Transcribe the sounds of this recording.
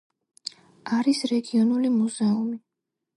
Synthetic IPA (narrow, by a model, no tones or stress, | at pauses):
aɾisɾɛɡiɔnulimuzɛumi